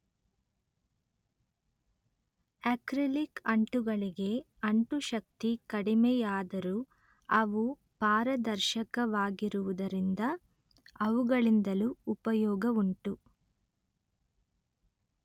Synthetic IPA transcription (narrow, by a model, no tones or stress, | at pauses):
ekɾilikɐɳʈuɡɐɭiɡe̞ | ɐɳʈuʃɐk̚t̪ikɐɽimɛjaːd̪ɐɾu | ɐʋu | paːɾɐd̪ɐɾʃɐkɐʋaːɡiɾuʋud̪ɐɾind̪ɐ | ɐʋuɡɐɭind̪ɐluːpɐjɔːɡɐuɳʈu